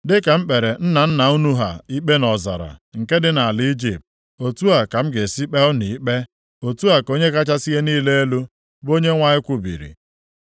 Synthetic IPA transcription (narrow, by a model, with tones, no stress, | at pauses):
dɪ˦ka˨m̩˦k͡pe˨ɾe˨n̩˦na˨n̩˦na˨u˦nu˦ɦa̰˨i˦k͡pe˦nɔ˨za̰˨ɾa̰˨ŋ̩˨ke˦dɪ˦na˨a˨li˦d͡ʒi˨p̚t̚ | o˨tu˦a˨ka˨m̩˦ɡe˨si˦k͡pe˦ʊ˦ni˨i˦k͡pe˦ | o˨tu˦a˨ko˦ɲe˦ka˦t͡ʃa˦si˦ɦe˦niː˦le˦e˦lu˦ | bo˦ɲe˦ŋʷa˦ɲɪ˦kʷʊ˦bḭ˨ɾḭ˨